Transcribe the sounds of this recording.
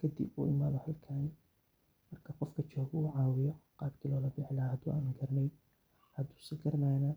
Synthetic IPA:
kʰɐd̪ḭbṵːɪmaːðɔhɐlkʰaː | mɐrkʰɐqɔfkʰɐt͡ʃɔːɣuːʕɑːwɪjɔqɑːb̚kʰiːlɔːlɐbiħlɐhɐd̪ṵːʔa̰ːnuɡɐɾnɛj | hɐd̪u̥ːsɪɡɐɾnaːnɐ

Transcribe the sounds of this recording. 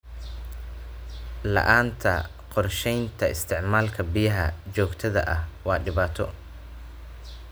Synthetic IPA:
lɐ̰ʔaːnt̪ʰɐ | qɔrʃɛjnt̪ʰɐɪst̪ʰɪʕmaːlkʰɐbɪjɐɦɐt͡ʃɔːɡt̪ʰɐðɐ̰ʔɐhwɑːɖɪβaːt̪ʰɔ

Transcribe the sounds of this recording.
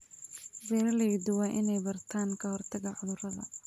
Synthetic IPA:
bɛːɾɐlɛjd̪ʊwɑːʔɪnɛjbɐrt̪ʰaːŋkʰɐhɔrt̪ʰɐɣɐʕʊðʊɾɐðɐ̰

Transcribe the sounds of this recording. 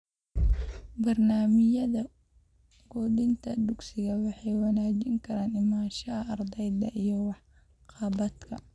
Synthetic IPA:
bɐrnaːmɪjɐðɐ | ɡ̥ɔːd̪ɪnt̪ʰɐd̪ʊɡsɪɣɐwɑħɑjwɑnaːt͡ʃɪŋkʰɐɾaːnɪmaːʃɐɐrd̪ɛjd̪ɐʔijɔwɑħ | qɑbɐd̪kʰɐ

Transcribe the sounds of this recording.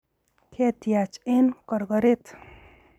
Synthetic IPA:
kʰet̪jat͡ʃʰenkʌɾɡʌɾet̪ʰ

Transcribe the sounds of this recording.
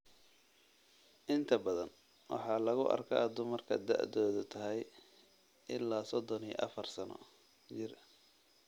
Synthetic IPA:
ʔɪnt̪ʰɐbɐðɐ̰n | wʔɑ̰ħɑːlɐɣʊʔɐ̰rkʰɐ̰d̪ʊmɐrkʰɐ̰d̪a̰ʕðɔːðʊt̪ʰɐɦɛj | ʔɪlːaːsɔd̪ɔniʔɐ̰fɐrsɐnɔ̰ | t͡ʃɪr

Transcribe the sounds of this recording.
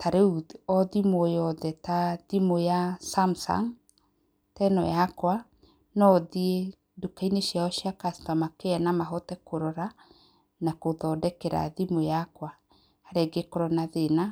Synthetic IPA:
taɾeuɔðimojɔðɛtaðimojasamsa̰ŋ | tɛnɔ̰jakwa | nɔðie | dukaineʃiaɔʃiakastɔmakeanamaɦɔtɛkoɾɔɾa | nakoðɔdɛkɛɾa̰ðimojakwa | haɾeɡekoɾɔnaðena

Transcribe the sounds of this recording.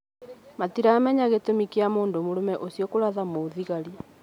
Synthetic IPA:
matiɾaːmɛɲaɣetomikiamoːndomoɾomɛʔosijɔkoɾaðamoðiɣaɾi

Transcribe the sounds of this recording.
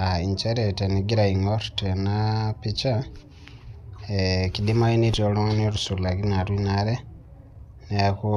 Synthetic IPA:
aiɲt͡ʃeɾeteniɡiɾaiŋɡottenapit͡ʃa | ekidimainitjoloniolusulakinalwinaɾe | nejaku

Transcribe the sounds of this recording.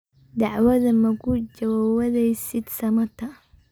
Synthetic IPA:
d̪ɑʕwɐðɐmɐkʰʊd͡ʒɐwːwɐðɛjsɪd̪sɐmɐt̪ʰɐ

